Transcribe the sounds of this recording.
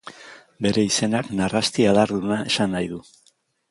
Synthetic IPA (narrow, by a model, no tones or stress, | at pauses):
be̞ɾe̞ise̞naknarast̪iaðaɾðunae̞sanːajðu